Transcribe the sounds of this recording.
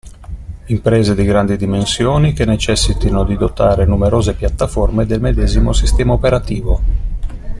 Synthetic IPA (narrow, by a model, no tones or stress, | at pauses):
impɾɛːzed̪iɡɾand̪id̪imensjoːnikenːet͡ʃɛsːit̪inod̪id̪ot̪aːɾenumeɾoːzepjat̪ːaformed̪elmed̪ɛːzimosist̪ɛːmaopeɾat̪iːvo